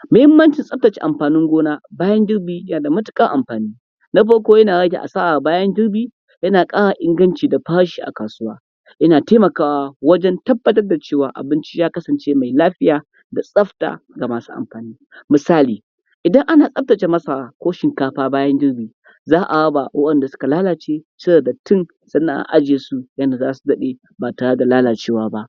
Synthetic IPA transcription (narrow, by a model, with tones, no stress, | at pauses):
mʊ˦hɪ˦mːɐ˦nt͡ʃɪ˨nsʼɐ˦p̚tɐ˨t͡ʃḛ˨ʔa˨mɸaː˨nɪ˦ŋɡʷoː˦naː˦baː˦jɐ˦nd͡ʒɪ˦ɽbiː˦jɐ˦naː˨da˨mʊ˦tɪ̥˦kʼɐ˦ŋʔa̰˨mɸaː˨niː˦ | na˦ɸɐ˦ɽkʷoː˦jɐ˦naː˨ɽɐ˦ɡʲḛ˨ʔa̰˨saː˦waː˨baː˦jɐ˦nd͡ʒɪ˦ɽbiː˦ | jɐ˦naː˨kʼaː˦ɽa˨ʔɪ˦ŋɡɐ˦nt͡ʃiː˨da˨ɸaː˦ɽʃi̥ː˦ʔa̰˨kaː˨sʊ˦waː˦ | ʔɪ˦naː˨teː˦mɐ˨kaː˦wa˨wɐ˦d͡ʒɛ˦ntɐ˦bːɐ˦tɐ˦rda˨t͡ʃeː˦˨waː˨ʔa̰˨bɪ˦nt͡ʃi˦jaː˦kɐ˦sɐ˨nt͡ʃeː˦ma˨jlaː˦ɸɪ˦jaː˨ | da˨sʼɐ˦ɸta̰ː˨ɡa˨maː˨su̥˦ʔa̰˨mɸaː˨niː˦ | mɪ˨saː˦liː˨ | ʔɪ˨dɐ˦ŋʔa˦naː˨sʼɐ˦ɸ̚tɐ˨t͡ʃe˨mɐ˦sa˨kʷoː˦ʃɪ˨ŋkaː˦ɸaː˦baː˦jɐ˦ndɪ˦ɽbiː˨ | zaː˦ʔa˨ɽɐ˦ba˨wʔɐ˦ɗɐ˨nda˨sʊ̥˦ka˨laː˦laː˨t͡ʃeː˦sɐ˦bo˨da˨tɪ˦n | sɐ˦nːa̰˨ʔa̰˨ʔa˦d͡ʒeː˨su˦jɐ˦nda˨zaː˦su˨dɐ˦ɗe˦ | baː˨taː˨ɽɐ˦da˨laː˦laː˨t͡ʃeː˦waː˦ba˦ʔ